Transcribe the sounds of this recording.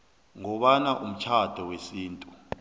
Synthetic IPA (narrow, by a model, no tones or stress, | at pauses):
ŋɔɓanaʔum̩t͡ʃʰad̥ʱɔwesiːntʼu